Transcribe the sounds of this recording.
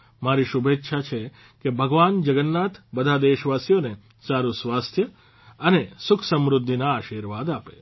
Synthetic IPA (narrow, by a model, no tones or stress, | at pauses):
maɾiʃubʱet̪ːʃʰat͡ʃʰe | kebʱəɡʋand͡ʒəɡənːat̪bəd̪ʱad̪eʃʋasijone | saɾusʋast̪ʰjə | ənesʊkʰsəmɾʊd̪ʱːinaaːʃiɾʋad̪apḛ